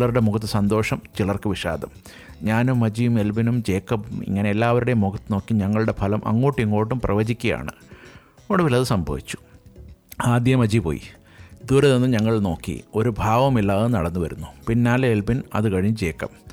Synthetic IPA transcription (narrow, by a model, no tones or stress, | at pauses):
lɐruɽe̞muɣɐt̪̬ːɨsɐnd̪o̞ːʂɐmt͡ɕiɭɐrkɨʋiʂa̰ːd̪ʱɐm | ɲaːnumːɐd͡ʑijume̞lbinumt͡ɕe̞ːkːɐpḭŋːɐneelːaːʋɐɾuɽe̞muɡɐt̪ːɨno̞ːkːiɲɐŋːɐɭuɽe̞pʰɐlɐmʔɐ̰ŋːo̞ːʈːiŋːo̞ːʈːumprɐʋɐd͡ʑikʲːɐja̰ːɳɨ | oɽuʋilɐðɨsɐmbʱɐ̰ʋit͡ɕːu̥ | aːd̪jɐmɐd͡ʑipo̞̰ːjḭ | d̪uːɾɐðenːɨɲɐŋːɐɭno̞ːkːḭo̞ɾubʱaːʋɐmilːaːɐnɐ̰ɽɐnːuʋɐɾunːupinːaːleelbinɐ̰ðɨkɐɻiɲːɨd͡ʑe̞ːkːɐm